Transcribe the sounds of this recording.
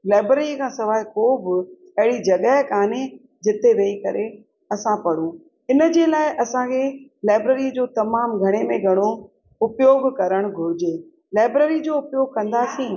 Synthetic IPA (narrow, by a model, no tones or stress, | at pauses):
laːbɾeɾikʰãːsɐʋaːɦɪkoːbɪ | ɐɦɪɽid͡ʑɐɠəɦɪkaːne | d͡ʑɪt̪eʋeikɐɾe | ɐsãpɐɽ̤ũ | ɪnə̆d͡ʑeːlaːɪʔɐsãkʰelaːɪbɾeːɾid͡ʑoːt̪ɐmaːmɡʱɐɽ̃emẽɡʱɐɽ̃o | ʊpjoːɡkɐɾəɽ̃ɡʱʊɾɪd͡ʑeː | laːɪbɾeːɾid͡ʑoːʊpjoːɡʱkɐ̃nd̪aːsĩː